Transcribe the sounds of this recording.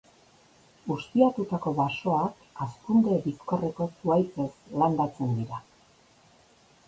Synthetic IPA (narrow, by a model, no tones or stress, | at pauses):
ust̪iat̪ut̪ako̞βaso̞ak | aspund̪e̞βisko̞re̞ko̞suajt͡se̞sland̪at͡se̞nd̪iɾa